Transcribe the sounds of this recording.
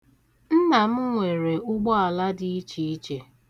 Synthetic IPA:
n̩˦na˨m̩˦ŋʷe˨ɾe˨ʊ˦ɡ͡bɔ˦a˨la˦di˦i˦t͡ʃi˦i˦t͡ʃe˨

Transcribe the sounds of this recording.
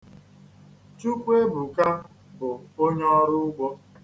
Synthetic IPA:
t͡ʃu˦kʷe˦bu˨ka˦ | bʊ˨o˦ɲɔ˦ɾʊ˦ʊ˦ɡ͡bʷɔ˦

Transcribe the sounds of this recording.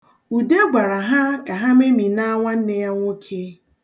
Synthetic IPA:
u˨de˦ɡ͡bʷa˨ɾa˨ɦa˦ka˨ɦa˦me˦mi˨na˦ŋʷa˦n̩˦ne˦ja˦ŋʷo˦kʰe˦

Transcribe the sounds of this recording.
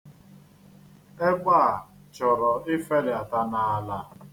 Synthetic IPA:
e˦ɡʷa˦a˨ | t͡ʃɔ˨ɾɔ˨ɪ˦fe˦lɪ˨a˨ta˦na˨a˦la˦

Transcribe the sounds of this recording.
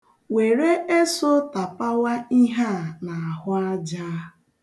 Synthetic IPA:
we˨ɾe˦e˦so˦ta˨pa˦wa˦i˦ɦa˦na˨a˨ɦʊ˦a˦d͡ʒaː˦

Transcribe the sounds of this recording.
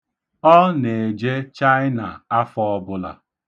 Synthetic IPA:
ɔ˦ne˨d͡ʒe˦t͡ʃa˦ɪ˦na̰˨a˦fɔ˦bʊ˦la̰˨

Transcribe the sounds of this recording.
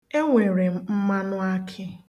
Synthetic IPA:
e˦ŋʷe˨ɾe˨m̩˦ma˦nʊ˦a˦kʰɪ˦

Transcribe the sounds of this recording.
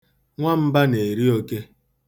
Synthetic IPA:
ŋʷa˦m̩˦ba˦ne˨ɾi˦o˦ke˦

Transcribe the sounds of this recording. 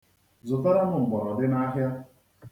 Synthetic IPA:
zʊ˨ta˦ɾa˦nʊ˨ŋ͡m̩˨ɡ͡bɔ˨ɾɔ˨dɪ˦na˦ɦja˦

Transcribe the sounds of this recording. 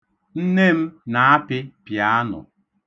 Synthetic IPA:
n̩˦ne˦m̩˦na˨a˦pɪ˦pja˦a˦nʊ̰˨

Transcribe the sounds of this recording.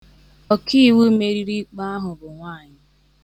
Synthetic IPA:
ɔ˨kʰi˦˨wu˦me˦ɾi˦ɾi˦k͡pa˦a˦ɦʊ˨bʊ˨ŋʷaː˦˨ɲɪ˦

